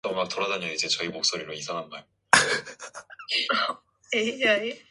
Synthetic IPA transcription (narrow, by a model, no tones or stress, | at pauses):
ʌmak̚toɾadaɲaid͡ʑet͡ɕʌimok̚s͈oɾiɾoisʰaŋɦanmaɭ | jejae